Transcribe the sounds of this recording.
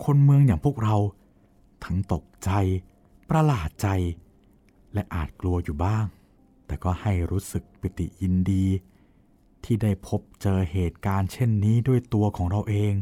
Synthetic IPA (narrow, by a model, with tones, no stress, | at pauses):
kʰo˧nmɯ˧əŋjaː˨˩ŋpʰu˥˩ək̚ɾa˧w | t̪ʰa˦˥ŋt̪o˨˩k̚t͡ɕa˧j | pɾa˧laː˨˩t̪̚t͡ɕa˧j | lɛ˦˥ʔaː˨˩t̪̚klu˧ɐjuː˨˩baː˥˩ŋ | t̪ɛː˨˩kɔː˥˩ha˥˩jɾuː˦˥sɯ˨˩k̚pi˨˦˩t̪ḭ˨˩ji˧ndiː˧ | t̪ʰiː˥˩da˥˩jpʰo˦˥p̚t͡ɕɤː˧heː˨˩t̪̚kaː˧nt͡ɕʰe˥˩nːiː˦˥du˥˩əjt̪u˧ɐkʰɔː˩˦ŋɾa˧wʔeː˧ŋ